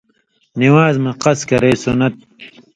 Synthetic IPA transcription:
niwaːzmɐqɐskɐɾeːsunɐt̪̚

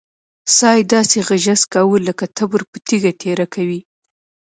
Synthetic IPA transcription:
sɑjd̪ɑseɣaʒaskɑwuləkat̪ʰabəɾpət̪iɡat̪ʰeɾakawi

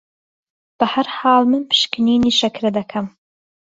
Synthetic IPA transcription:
b̥ɐhɐɾhɑːlˠmɨnpʰɨ̥ʃkɨniːniːʃɐkɾɐd̪ɐkʰɐm

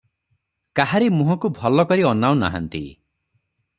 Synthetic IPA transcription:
kaɦaɾimũɦɔkubʱɔlɔkɔɾiɔnaw̃na̰ɦa̰nt̪ḭ

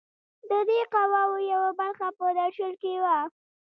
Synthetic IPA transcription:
d̪əd̪eqawawojawabaɾxapəd̪aʃəlkewa

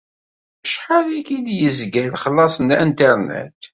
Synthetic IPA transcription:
əʃħalikid̪jəzɡæjlχəlːɑsˤənæ̰nt̪əɾnæ̰t̪

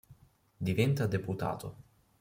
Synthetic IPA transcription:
d̪ivɛnt̪ad̪eput̪a̰ːt̪o̰

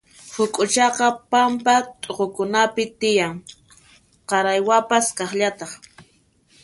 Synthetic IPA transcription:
hʊkʼʊt͡ʃɑqɑpampat̪ʼoqokʊnapɪt̪ɪjaŋ | qɑɾajwapaskɑχʎat̪ɑχ

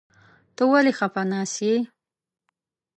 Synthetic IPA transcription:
t̪owalexapanasje

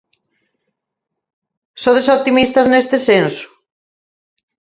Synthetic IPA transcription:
soðesot̪imist̪ɐznest̪ɪsensʊ̥

